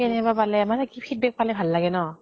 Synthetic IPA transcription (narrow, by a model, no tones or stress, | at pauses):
ɛnɛbapalɛmanakipʰit̚bɛk̚palɛbʱalːaɡɛnɔ